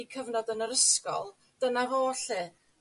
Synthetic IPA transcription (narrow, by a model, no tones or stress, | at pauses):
ikʰəvnɔdənəɾəskɔ̰lˠ | d̥ənavoːɬɨ